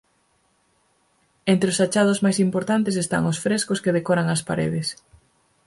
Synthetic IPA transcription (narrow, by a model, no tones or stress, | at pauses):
ent̪ɾeosat͡ʃað̞ʊzmajsimpoɾt̪ant̪es̬est̪a̰ŋosfɾeskʊskeðekoɾaŋɐspaɾḛðɪs